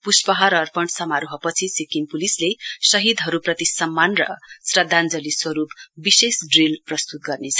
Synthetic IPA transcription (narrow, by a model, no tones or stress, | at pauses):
puspʌɦʌɾʌːrpʌɳsʌmaɾuɦʌpʌt͡sʰisikinpulislesʌɦid̪ɦʌɾuprʌt̪isʌmːanrʌ̰srʌd̪ʱːand͡zʌliswʌɾupbisesɖrilprʌst̪ut̪̚ɡʌrnet͡sʰʌ